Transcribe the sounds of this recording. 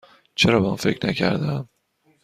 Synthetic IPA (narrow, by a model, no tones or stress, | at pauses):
t͡ʃʰe̞ɾɒːbemṵnfe̞cnæcʰæ̰ɾd̪æm